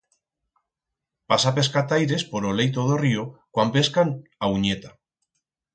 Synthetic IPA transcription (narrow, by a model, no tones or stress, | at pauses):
pasape̞skat̪ajɾe̞spo̞ɾolejt̪̬oðo̞riokwampe̞skanauɲet̪a